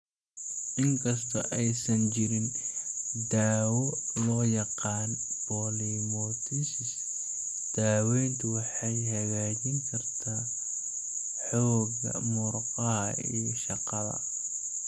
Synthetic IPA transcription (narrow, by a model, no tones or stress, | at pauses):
ʔɪŋkʰɐst̪ʰɐʔɛjsɐnt͡ʃɪɾɪn | d̪aːwɔlɔːjɑqɑːnb̥ɔːlimɔt̪ʰisɪs | d̪̥aːwɛjnt̪ʰʊwɑħɑjɦɐɣaːt͡ʃɪŋkʰɐrt̪ʰaː | ħɔːɡɐ̰mʊɾqɐɦɐḭjʃɑqɑðɐ̰